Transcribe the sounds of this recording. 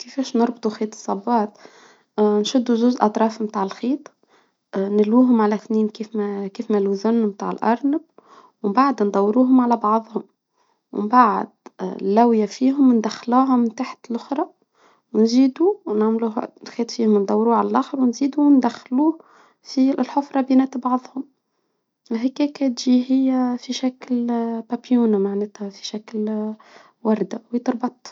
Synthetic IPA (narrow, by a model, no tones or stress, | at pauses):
kɪfɛːʃnʊɾˤbt̪ˤuxeːt̪ˤɨ̥sˤːɑbːɑːt̪ | nʃʊd̪ːuʒʊzʔɑt̪ˤɾˤɑːfmt̪aːʕɪlxiːt̪ˤ | nɪlwuːɦʊmʕalæθniːnkiːfkiːfmæluzʊnːmt̪a̰ːʕɪ̰lʔɑɾˤnɪb̚ | wmbaʕad̪nd̪ˤɑwːɾuːɦʊmʕalæbɑʕðˤhʊm | wɪ̰mbaʕ̰d̪lːæwjafiːɦʊmnd̪æxːluːɦʊmːmt̪aːħḁt̪lʔʊxɾˤɑ | wnziːd̪uwnaʕmluːhnxeːt̪fiːhʊmnd̪ˤɑwːɾuːʕalælʔæːxəɾwnziːd̪uwnd̪æxːluː | filħʊfɾˤɑbjinæːt̪bɑʕðˤhʊm | ɪlɦɪkɛːkæt̪ʒiɦɪjːæfiʃæklpæpjuːnmaʕneːt̪hæfi̥ʃækl | wɑɾˤd̪awjt̪ɾˤbɑt̪ˤ